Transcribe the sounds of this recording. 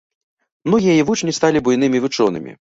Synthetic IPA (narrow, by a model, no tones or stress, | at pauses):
mnɔɣʲijɐjivut͡ʂnʲist̪alʲibujnɨmʲivɨt͡ʂɔnɨ̰mʲḭ